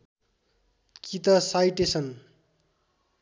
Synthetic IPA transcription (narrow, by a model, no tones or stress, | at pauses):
kit̪ʌsajʈesʰʌn